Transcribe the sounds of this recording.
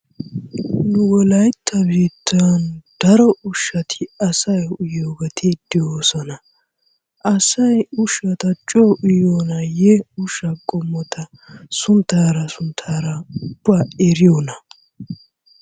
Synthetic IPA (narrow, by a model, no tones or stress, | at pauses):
nʊwɔlɐjt̪ʰːɐbiːt̪ʰːɐnd̪̥ɐɾɔʔʊʃːɐt̪ʰɪɐsɐjʊjoːɡɐt̪ʰed̪̥ɪjoːsɔnɐ | ʔɐsɐjʊʃːɐt̪ɐt͡ʃʼoʔʊjoːnɐjɛʊʃːɐkʼɔmːɔt̪ʰɐ | sʊnt̪aːɾɐsʊnt̪ʰaːɾɐʊb̥ːaːɛɾɪjoːnɐ